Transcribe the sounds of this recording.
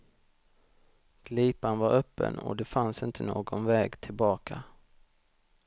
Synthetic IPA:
ɡ̥liːpanvaɾœpːə̰nɔ̰d̪ɛfansɪnt̪ʰənoːɡɔnvɛːɡt̪ʰɪlbɑːkʰa

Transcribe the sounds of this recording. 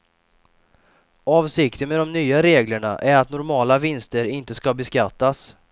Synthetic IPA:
ɑːvsɪkt̪ənmɛd̪ɔmnyːaɾeːɡləɳa̰ʔæɾat̪nʊɾmɑːlavɪnst̪əɾɪnt̪əskabɛskat̪ːas

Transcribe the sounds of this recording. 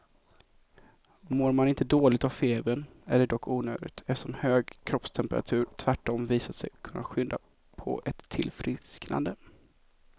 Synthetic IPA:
moːɾmanɪnt̪əd̪oːlɪɡ̚t̪avfeːbənæɖɛd̪ɔkʰːuːnø̰ːd̪ɪɡt̪ʰɛsɔmhøːɡkʰɾɔpst̪ʰɛmpəɾʔa̰t̪ʰʉ̟ːɾt̪ʰvæʈːɔmviːsat̪sɛ̰jkʰɵnːa̰ɧʏnd̪a̰ | pʰɔ̰ʔɛt̪ʰːɪlfɾɪskna̰nd̪ə

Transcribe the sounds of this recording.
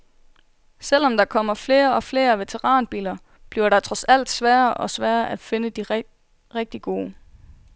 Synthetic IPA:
sel̰ɒ̽md̥ɑ̈kʰɒ̽m̰ɐfle̝ːɐɒ̽fle̝ːɐʋe̝t͡sʰeʁɑ̈ːnb̥ḭːlɐ | b̥liɐɾ̥ɑ̈t͡sʰʁɒ̽sæl̰d̥sʋæːɐʔɒ̽sʋæːɐʔæd̥fe̝nəd̥i | ʁeɡ̥̚d̥iɡ̥o̝ː

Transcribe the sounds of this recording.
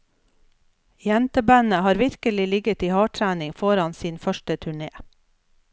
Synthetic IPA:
jɛnt̪əbæːnəhɑːɾʋɪɾkəlɪlɪɡət̪iːhɑːʈʰɾæːnɪŋfɔɾɑnsiːnfœʃʈət̪ʰʉɳeː

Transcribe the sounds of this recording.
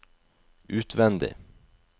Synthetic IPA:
ʉːt̪ʋɛnd̪ɪ̰

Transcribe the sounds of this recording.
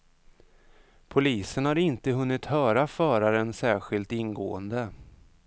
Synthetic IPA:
pʰʊliːsənhaɾɪnt̪əɦɵnːɪt̪hœːɾafœːɾaɾənsæːɾɧɪlt̪ɪnɡo̰ːənd̪ə

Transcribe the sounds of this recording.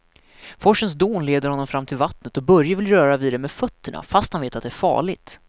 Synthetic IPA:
fɔʂːəns̬d̪uːnleːd̪əɾhɔnːɔmfɾamːt̪ʰɪlvat̪nət̪ɔbœɾjavɪlɾœːɾaviːd̪ɛmeːd̪fœt̪ʰːəɳa̰fast̪hanveːt̪at̪d̪ɛæːɾfɑ̰ːɭɪt̪

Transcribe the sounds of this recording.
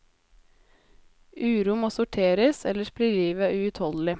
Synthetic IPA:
ʔʉːɾuːmoːsʊʈʰeːɾəsɛ̰ləʃpɾiliːʋəæːʉʉt̪hɔld̪l̩ɪ

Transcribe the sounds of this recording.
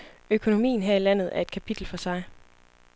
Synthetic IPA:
økʰo̝no̝mḭːn̩ɦæɐilæn̰ð̞̩ˠæɐe̝d̥̚kʰæpʰid̥l̩fɒ̽sɑ̈ɪ

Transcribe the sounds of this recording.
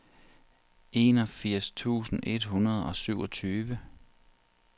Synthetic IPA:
ʔe̝̰ːnɒfiɐ̰st͡sʰṵːsn̩ʔe̝d̥ɦunɐð̞̩ˠɒ̽syʊɒt͡sʰyːʋə

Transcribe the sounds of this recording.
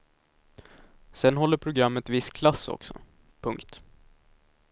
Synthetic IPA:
sɛnɦɔlːəɾpʰɾʊɡɾamːət̪vɪskʰlasːɔ̰ksɔ̰ | pʰɵŋkt̪

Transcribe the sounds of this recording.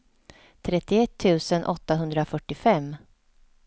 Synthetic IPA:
t̪ʰɾɛt̪ːɪɛt̪ʰːʉ̟ːsənʔɔt̪ːaɦɵnd̪ɾafœʈːɪfɛmː

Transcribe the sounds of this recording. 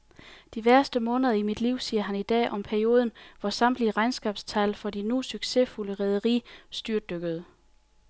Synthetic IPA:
d̥iʋæɐsd̥əmɔ̽ːnəðˠɐimid̥liʊ̰siːɐɦænid̥ɛ̰ːʔɒ̽mpʰæɐio̝ːð̞ˠnʋɒsɑ̈m̰d̥liʁɑ̈ɪnsɡ̥ɛb̥st͡sʰælfɒ̽d̥inusyɡ̥se̝fuləʁɛð̞ˠəʁḭːsd̥yɐd̥øɡ̥əð̞ˠ

